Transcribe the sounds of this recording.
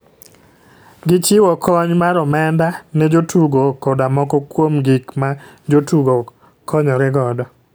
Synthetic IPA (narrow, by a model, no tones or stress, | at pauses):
ɡɪt͡ʃɪwɔkʰɔɲmaɾɔmɛndanɛd͡ʒotuɡokɔdamɔkɔkwomɡikma | d͡ʒotuɡo | kɔɲɔɾɛɡɔdɔ